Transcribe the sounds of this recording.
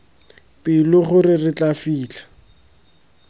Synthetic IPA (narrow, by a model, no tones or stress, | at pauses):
pʼɪlʊχʊrɪrɪt͡ɬafiːt͡ɬḁ